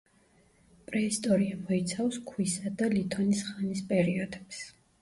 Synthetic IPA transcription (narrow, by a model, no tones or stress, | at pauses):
pʼɾɛist̪ʼɔɾiamɔit̪sʰafskʰwisad̪alit̪ʰɔnisχanispʼɛɾiɔd̪ɛps